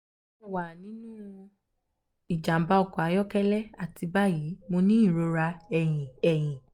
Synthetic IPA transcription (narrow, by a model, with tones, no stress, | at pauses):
ɛ˦˨wa˨nĩ˨˦nũ˦ | i˨d͡ʒa˨m̩˨ba˦ɔ˨kɔ˨a˨˧˦jɔ˦kɛ˦lɛ˦a˨ti˧ba˦ji˨˦mo˧nĩ˦ĩ˦˨ɾo˧ɾa˧ɛ˨j̃ĩ˨ɛ˨j̃ĩ˨